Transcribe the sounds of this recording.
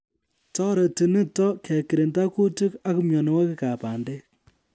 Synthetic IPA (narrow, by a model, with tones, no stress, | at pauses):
tɔ˦ɾɛ˨ti˨nɨ˦tɔ˦kɛ˨ki˨ɾe˨nta˦ku˦tu˦ka˦ku˦mjɔ˨ne˨˦wa˦ki˦ka˨pa˨nde˦k̚